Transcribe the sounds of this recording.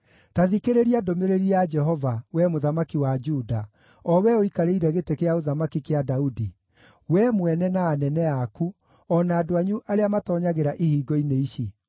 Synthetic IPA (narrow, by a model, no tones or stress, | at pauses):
taðikeɾeɾiadomeɾeɾiad͡ʒɛɦɔvawɛmoðamakiwad͡ʒuda | ɔwɛoikaɾeiɾɛɣetekeaoðamakikeadaudi | wɛmwɛnɛnaːnɛnɛaku | ɔnaːdoaɲuʔaɾeamatɔːɲaɣeɾaʔihiːɡɔineiʃi